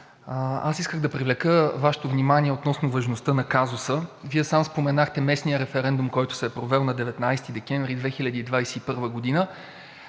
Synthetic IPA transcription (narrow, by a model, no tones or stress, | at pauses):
a̰siskəɣd̪ɐpɾivlɛkəvaʃɛ̥t̪ʊvnimanʲiɛot̪nɔsnʊvɐʒnost̪ɤnɐkazʊsəviɛsamspomɛnaxt̪ɛmɛsnijəɾɛfɛɾɛnd̪umkɔjt̪ʊ̥sɛːpɾovɛlˠnɐd̪ɛvɛt̪najst̪id̪ɛk̟ɛɱvɾid̪vɛxilʲɐd̪iːd̪vajsɛipɤɾvəɡod̪inə